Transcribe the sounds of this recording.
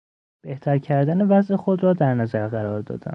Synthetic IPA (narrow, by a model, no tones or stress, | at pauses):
b̥e̞ht̪ʰæɾcʰæɾd̪ænevæzʔexo̞d̪ɾɒːd̪æɾnæzæɾɣæɾɒːɾd̪ɒ̰ːd̪æ̰m